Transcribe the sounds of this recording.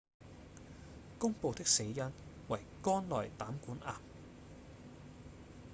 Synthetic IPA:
kʊ˥ŋpo˨˧wt̪ɪ˥k̚se˨˧jːɐ˥n | wɐ˨˩jkɔː˥nlɔː˨˩jt̪aː˨˥mkuː˨˥nʔaː˨m

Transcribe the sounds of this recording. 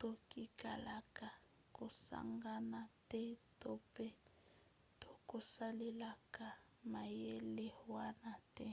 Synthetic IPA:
to˦ki˦ka˨la˨ka˨ | ko˨sa̰˦ŋɡa˦na˨tɛ˦to˦pɛ˦ | to˨ko˨sa˦le˦la˨ka˨ | ma˨je˦le˦hwa˦na˨tɛ˦

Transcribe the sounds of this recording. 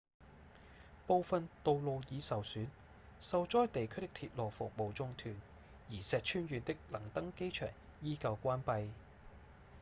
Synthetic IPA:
po˨˧wfɐ˨nt̪o˨˧wlo˨wjiː˨˧sɐ˨wsyː˨˥n | sɐ˨wt͡sɔː˥jt̪e˨jkʰɵ˥t̪ɪ˥kt̪ʰiː˧t̚lɔː˨wfʊ˨k̚mo˨wt͡sʊ˧ŋt̪ʰyː˨˩n | jiː˨˩sɛː˨t̚t͡ʃʰyː˥nɥyː˨˧nt̪ɪ˥k̚lɐ˨˩ŋt̪ɐ˥ŋke˥jt͡ʃʰœ̰ː˨˩ŋ | jiː˥kɐ˧wkʷaː˥npɐ˧j

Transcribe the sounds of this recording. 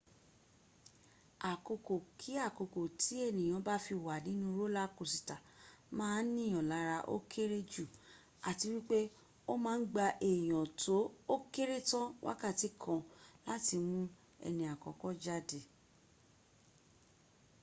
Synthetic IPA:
a˨ko˧ko˨kʰi˨˦a˦˨ko˧ko˨tʰi˨˦ɛ˦˨nĩ˨j̃ã˨˧˦ba˦fi˧˨wa˨nĩ˨˦nũ˦ɾo˦la˦ko˨si˨ta˨mãː˦nĩ˦˨ɔ̃˨la˨˦ɾa˧ʔo̰˦kʰe˦ɾe˦d͡ʒu˦˨ | a˨ti˧wi˦k͡pe˦ | o˦mãː˨˦n̩˦ɡ͡ba˧ʔe˨j̃ɔ̃˨tʰo˨˦o˦ke˦ɾe˦tã˦wʔa̰˦ka˦˨ti˨˦kʰɔ̃˧la˦ti˧mũ˦ | ɛ̰˧nĩ˧˨a˨kɔ˨kɔ˦d͡ʒa˦de˧

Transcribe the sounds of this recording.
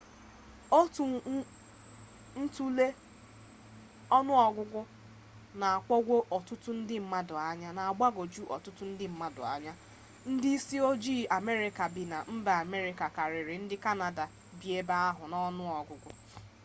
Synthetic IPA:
o˦tu˨˦ | n̩˦tu˦le˦ | ɔ˦nʊ˦ɔ˨ɡʷʊ˦ɡʷʊ˦ | na˨a˨kʷɔ˦ɡʷo˦ʔɔ˨tʊ˦tʊ˦n̩˦dɪ˦m̩˦ma˦dʊ˨a˦ɲa˦na˨a˨ɡ͡ba˦ɡo˨d͡ʒu˦ʔɔ̰˨tʊ˦tʊ˦n̩˦dɪ˦m̩˦ma˦dʊ̰˨a̰˨ɲa˦ | n̩˦dɪ˦i˦si˦o˦d͡ʒiː˦a˨me˦ɾɪ˦ka˨bi˨na˨m̩˦ba˨a˨me˦ɾɪ˦ka˨ka˨ɾɪ˨ɾɪ˨n̩˦dɪ˦ka˦na˨da˨ | bi˨e˦ba˦a˦ɦʊ˨nɔ˦nʊ˦ɔ˨ɡʷʊ˦ɡʷʊ˦

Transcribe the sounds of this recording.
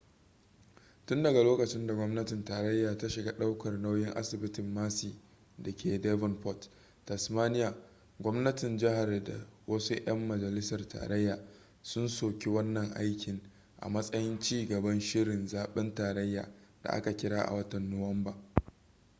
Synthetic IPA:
tʊ˦ndɐ˨ɡa˨loː˦kɐ˨t͡ʃɪ˦nda˨ɡʷɔ˦mnɐ˦tɪ˨ntaː˨ɾɐ˦jːaː˨ta˦ʃɪ˨ɡa˦ɗa˦wkɐ˨rna˦wjɪ˦ŋʔa̰˦sɪ˨bɪ˦tɪ˨mːaː˦siː˨ | dɐ˨kʲeː˨dɛ˦vɪ˨nɸɔ˦t | tɐ˨smaː˦nɪ˦jaː˨ | ɡʷɔ˦mnɐ˦tɪ˨nd͡ʒɪ˦ɦa˨rda̰˨wɐ˦su˦ʔj̰ɐ˦mːɐ˨d͡ʒɐ˨lɪ˦sɐ˨rta̰ː˨ɾɐ˦jːaː˨ | sʊ˦nsoː˨kʲi˦wɐ˦nːɐ˨ŋʔa̰˦jkʲɪ˨ŋ | ʔa̰˨mɐ˦sʼɐ˦jɪ˦nt͡ʃiː˦ɡɐ˨bɐ˦nʃɪ˦ɾɪ˨nzaː˨ɓɛ˦ntaː˨ɾɐ˦jːa̰ː˨d̥a̰˨ʔa̰˦ka˨kʲɪ˦ɽaː˦ʔa̰˨wɐ˦tɐ˨nːʊ˨wɐ˦mbaː˨

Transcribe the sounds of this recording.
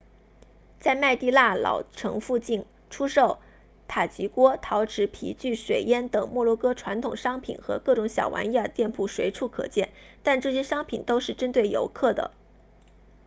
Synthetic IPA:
t͡sa˥˧ɪma˥˧ɪt̪i˥˧la˥˩lɑ̰˨˩ʊʈ͡ʂʰɤ̰˧˥ŋfu˥˧t͡ɕi˥˩n | ʈ͡ʂʰu˥ʂo˥˩ʊ | t̪ʰa˨˩t͡ɕi˧˥kwɔ˥t̪ʰɑ˧˥ʊʈ͡ʂʰɻ̩˧˥pʰḭ˧˥t͡ɕy˥˩ʂwe˨˩ɪjɛ˥nt̪ɤ˨˩ŋmwɔ˥˧lwɔ˥˩kɤ˥ʈ͡ʂʰwa˧˥nt̪ʰʊ˨˩ŋʂɑ˥ŋpʰḭ˨˩nxɤ̰˧˥kɤ˥˩ʈ͡ʂʊ˧˥ŋɕjɑ̰˨˩ʊwa̰˧˥n˥a˥˩t̪jɛ˥˧npʰu˥˩ʂwe˧˥ɪʈ͡ʂʰu˥˩kʰɤ̰˨˩t͡ɕjɛ˥˩nt̪a˥˧nʈ͡ʂɤ˥˩ɕjɛ˥ʂɑ˥ŋpʰi˨˩nt̪o˥ʊʂɻ̩˥˩ʈ͡ʂə˥nt̪̬we˥˩ɪjo̰˧˥ʊkʰɤ˥˩d̪ə̰˩

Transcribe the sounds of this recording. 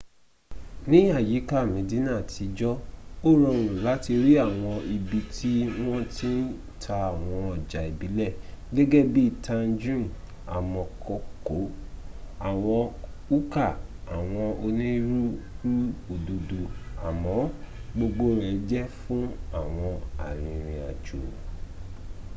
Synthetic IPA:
nĩ˦a˦˨ji˨˦ka˦˨mĩ˨˦di˨˦nã˦˨tʰi˨˧d͡ʒɔ˦o˦ɾɔ̃˧˨ɾ̃ũ˨la˨˦ti˧ɾi˦a˦˨w̃ɔ̃˧i˧bi˧tʰi˦w̃ɔ̃˦ti˦ | tʰa˧a˨w̃ɔ̃˧ɔ˨d͡ʒa˨i˨bi˨˦lɛ˦˨ɡɛ˦ɡɛ˦bi˦˨tʰã˧nd͡ʒũ˦˨ | a˨mɔ̃˧kɔ˧˨ko˨˦ | a˦˨w̃ɔ̃˧ | u˦ka˦˨a˨w̃ɔ̃˧o˧nĩ˦ɾu˦ɾu˦o˨du˨du˨a˨mɔ̃˨˦ | ɡ͡bo˧ɡ͡bo˦ɾ̃ɛ̃˨˦d͡ʒɛ˦fũ˦a˦˨w̃ɔ̃˧a˨ɾ̃ĩ˧ɾ̃ĩ˧a̰˨d͡ʒu˨

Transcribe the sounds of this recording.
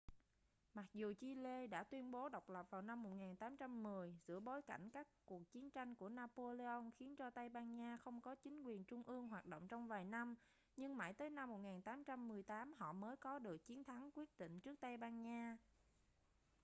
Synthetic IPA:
ma˨˩k̚zu˨˩t͡ɕi˧le˧ɗa̰ː˧˥t̪wi˧ənɓo˨˦ɗə˨˩wk͡p̚lə˨˩p̚vaː˨˩wna˧mːo˨˩t̚ŋaː˨˩nt̪aː˨˦mt͡ɕa˧mːɨ˨˩əjzɨ̰˧˥əɓo˨˦jka˧˩jŋ̟kaː˦˥kku˨˩ək̚t͡ɕi˨˦ənt͡ɕa˧jŋ̟ku˧˩ənaː˧po˧le˧ʔə˧wŋ͡mxi˨˦ənt͡ɕɔ˧t̪a˧jɓaː˧nɲaː˧xə˧wŋ͡mkɔ˨˦t͡ɕï˨˦ŋ̟kwi˨˩ənt͡ɕʊ˧ŋ͡mʔɨ˧əŋɦwaː˨˩t̚ɗo̰˧˨wŋ͡mt͡ɕɔ˧wŋ͡mvaː˨˩jna˧m | ɲɨ˧ŋma̰ː˧˩jt̪əː˨˦jna˧mːo˨˩t̚ŋaː˨˩nt̪aː˨˦mt͡ɕa˧mːɨ˨˩əjt̪aː˨˦mɦɔ̰˧˨məː˨˦jkɔ˨˦ɗɨ˨˩ək̚t͡ɕi˨˦ənt̪ʰa˨˦ŋkwi˦˥ət̚ɗḭ˧˨ŋ̟t͡ɕɨ˦˥ək̚t̪a˧jɓaː˧nɲaː˧

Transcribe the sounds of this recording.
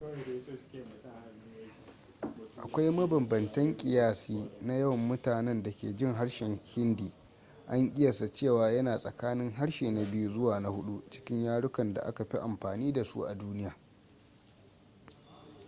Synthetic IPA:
ʔa̰˨kʷa˦jmɐ˦bɐ˨mbɐ˨ntɐ˦ŋkʲʼɪ˨jaː˦siː˦na˦jɐ˦wɐ˨mːʊ˦taː˨nɛ˦nda˨kʲḛː˨d͡ʒɪ˦˨ŋɦa˦ɽʃɛ˨ŋhɪ˦ndiː˨ | ʔa˦ŋʔʲʼɪ˦jɐ˨sa˨t͡ʃeː˦˨waː˨jɐ˦naː˨sʼɐ̰˨kaː˦nɪ˦ŋɦa˦ɽʃeː˨na˨bɪ˦ju˦zʊ˦waː˨na˦hʊ˦ɗu˦t͡ʃɪ̥˦kʲɪ˦ɲjaː˦ɽʊ˦kɐ˨nda̰˨ʔa̰˦ka˨ɸi˦ʔa˨mɸaː˨niː˦da˨sṵ˦ʔa̰˨duː˦nɪ˦jaː˨

